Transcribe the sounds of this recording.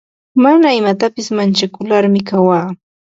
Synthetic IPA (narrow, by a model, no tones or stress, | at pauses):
manaɪmat̪apɪsmant͡ʃakʊlaɾmɪkawaː